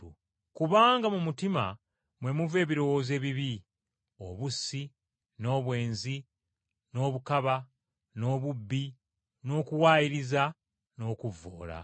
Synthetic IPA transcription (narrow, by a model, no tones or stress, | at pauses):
kuβaːŋɡamumutima̰ | mwe̞muve̞ːβiɾo̞wo̞ːze̞ːβiβi | o̞βusi | no̞ːβwe̞ːnzi | no̞ːβukaβa | no̞ːβubːi | no̞ːkuwaːjiɾiza | no̞ːkuvo̰ːla̰